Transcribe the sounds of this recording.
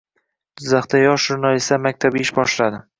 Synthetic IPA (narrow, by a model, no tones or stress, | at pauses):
d̪̥ɪzːaχt̪ajɒʃʒʊɾnalist̪amak̚ʲt̪ʰabɪʃbɒʃlad̪ɪ